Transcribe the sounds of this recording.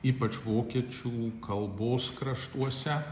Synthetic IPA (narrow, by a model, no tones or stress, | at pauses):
iːpɐt͡ʃʋoːkʲiɛt͡ʃʲuːkɐlˠboːskɾɐʃt̪uɔsʲɛ